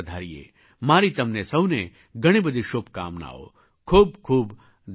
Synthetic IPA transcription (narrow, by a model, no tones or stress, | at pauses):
d̪ʱaːɾijḛː | maːɾit̪ɐmnesɐʋne | ɡɐɽ̃ibəd̪ʱiʃopka̰ːmna̰ːo̰ | kʰuːb̚kʰuːb̪